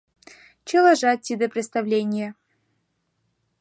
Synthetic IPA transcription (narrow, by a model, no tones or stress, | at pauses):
t͡ʃelˠɐʐatʲːid̪əpɾʲɪt̪st̪ɐvlʲenʲɪjə